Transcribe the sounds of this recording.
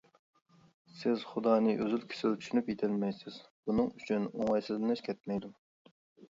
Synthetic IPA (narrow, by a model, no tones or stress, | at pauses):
sɪz̥χʊd̪ɑːnɨʔøzylkʲʰɪ̥sɪlt͡ʃ̪ʰy̥ʃynypjet̪ʰɪlmɛjsɪz̥b̥unɨŋyt͡ʃʰynoŋɑjsɨzd̪ɪnɛʃkʲʰɛt̪̚mɛjd̪u